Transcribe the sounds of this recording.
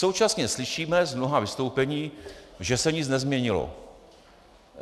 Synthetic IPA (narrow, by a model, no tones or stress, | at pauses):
so̞wt͡ʃasɲɛslɪʃiːmɛzmnoɦavɪst̪owpɛɲiːʒɛsɛɲɪt͡snɛzmɲɛɲɪlo̰